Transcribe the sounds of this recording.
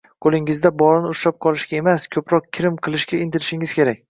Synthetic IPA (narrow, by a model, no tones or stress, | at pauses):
qʰolˠɪŋɪzd̪abɒɾɪnɪʊʃlap̚qʰɒlˠɪʃkʲae̞maskʲʰɵpɾɒq̚kʲʰɪɾɪmqʰɨlˠɪʃkʲaɪnt̪ʰɪɾɪʃɪŋɪz̥kʲe̞ɾak̚ʲ